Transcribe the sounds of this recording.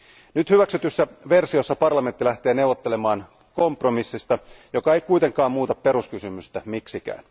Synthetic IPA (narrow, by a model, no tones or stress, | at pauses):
nyt̪hyʋæksyt̪ysːæʋe̞rsio̞sːɑpɑrlɑme̞nt̪ːilæht̪e̞ːne̞uwʋot̪ːe̞le̞mɑːn | ko̞mpro̞misːist̪ɑjo̞kɑe̞jkuijt̪e̞ŋkˑɑːmmuːt̪ɑpːe̞ɾuskysymyst̪æmiksikæ̰ːn